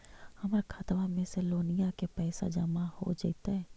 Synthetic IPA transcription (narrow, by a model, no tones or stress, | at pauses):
hɐmɾkʰat̪ʋamẽseloːnijakepɛːsa̰d͡ʒəmaho̰d͡ʒait̪aɦɛː